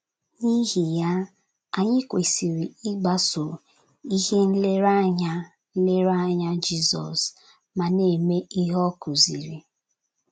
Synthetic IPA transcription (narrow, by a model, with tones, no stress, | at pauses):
ni˦ɦi˨ja˦ | a˨ɲɪ˦kʷe˨si˨ɾi˨i˦ɡ͡ba˨so˨ | i˦ɦe˦n̩˦le˦ɾa˦ɲa˦ | n̩˦le˦ɾa˦ɲa˦d͡ʒi˦zɔ̰˨s | ma˨ne˨me˦ʔi˦ɦɔ˦kʊ˨zi˨ɾi˨